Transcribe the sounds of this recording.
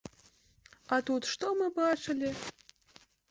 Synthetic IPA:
ɑt̪ut̪ʃt̪omɨbɑt͡ʃə̆lʲe

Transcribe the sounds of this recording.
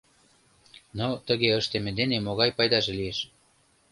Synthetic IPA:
not̪əɣeəʃt̪emĕd̪enemoɣɑjpɑjd̪ɑʒelieʃ

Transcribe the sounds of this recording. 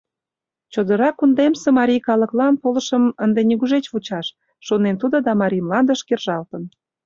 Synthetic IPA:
t͡ɕod̪əɾɑkund̪emsemɑɾʲijkɑlə̆klɑnpolə̆ʃəmənd̪eniɣuʒet͡ɕβut͡ɕɑʃː | onent̪ud̪od̪ɑmɑɾʲijmlɑnd̪əʃkerʒɑlt̪ən

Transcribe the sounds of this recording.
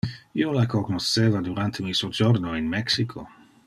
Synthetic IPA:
iːolakoknosːeːvad̪uɾant̪ʰemisuod͡ʒornoinmɛksikʰo

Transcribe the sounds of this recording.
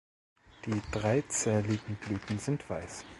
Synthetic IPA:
d̥iːdʁaɪt͡sɛːlɪɡŋ̩ɡ̥lyːtn̩zɪntv̥aɪs

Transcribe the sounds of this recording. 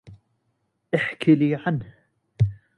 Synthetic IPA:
ʔaħkʰɪliːʕanh

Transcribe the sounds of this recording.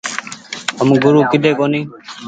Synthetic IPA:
əmɡʊɾuːkɪɗ̪eːkoːniː

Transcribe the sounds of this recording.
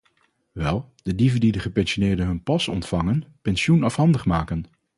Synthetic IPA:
ʋɛlˠ | d̥ədivəndidəχəpɛnsonɪːɹdəɦɵnpɑsɔ̰ntfɑŋənpɛnsjunɑfɦɑndəχmaːkən

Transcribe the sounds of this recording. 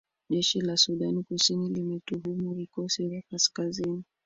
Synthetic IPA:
ʄɛʃilasuɗanikusinilimɛtuɦumuvikɔsivakaskazini

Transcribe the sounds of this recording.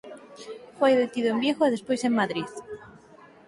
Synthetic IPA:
fojðet̪iðoembjexoeðespojseŋmaðɾiθ

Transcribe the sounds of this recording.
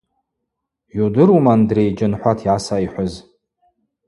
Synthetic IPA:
judɨɾumandrejd͡ʒɪnħʷatʰiʕasaiħʷʊz

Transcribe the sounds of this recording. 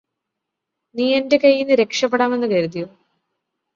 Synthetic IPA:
niːendekɐjːinːɨɾe̞kʂɐpːeɽaːme̞nːɨkɐɾut̪̬ijo

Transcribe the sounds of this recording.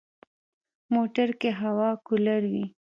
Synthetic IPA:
moʈaɾkeɦawɑkʊlaɾwi

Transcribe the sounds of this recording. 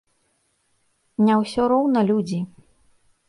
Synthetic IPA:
nʲawsʲɔɾɔwnɐlʲud͡zʲi

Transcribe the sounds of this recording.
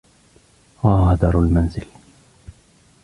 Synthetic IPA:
ahad̪ɑɾˤalmanzɪl

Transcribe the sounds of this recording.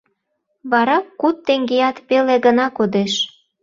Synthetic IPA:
βɑɾɑkːut̪ːeŋɡejɑt̪peleɣənɑkod̪eʃ

